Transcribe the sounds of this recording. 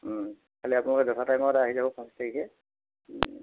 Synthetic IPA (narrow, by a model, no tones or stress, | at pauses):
kʰaliapunalʊkɛdɔtʰatajmɔtaaɦizabɔkʰɔnstʰakisɛ